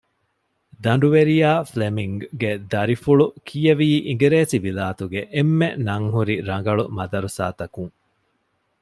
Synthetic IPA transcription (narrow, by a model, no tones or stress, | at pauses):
d̪ɐɳ̆ɖuʋeɾijaːflemiŋɡɡed̪ɐɾifuɭukʰijɐʋiːʔiŋ̆ɡeɾeːsibilaːt̪uɡeʔemːenɐŋɦuɾiɾɐŋɡɐɭumɐd̪ɐɾusa̰ːt̪ɐkuŋ